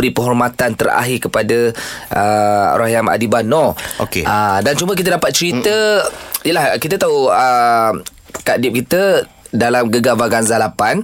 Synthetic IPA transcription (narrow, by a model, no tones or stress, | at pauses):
əɾipəɦɔrmat̪ant̪əɾa̰ɦɪkəpadaʔəɾʔaɦjama̰dibanɔo̰keadant͡ʃumək̬it̪̬ədapat̪̚t͡ʃəɾit̪əijəlahkit̪ət̪auəm | kadɪp̚kit̪ə | dalamɡəɡabaɡanzalapan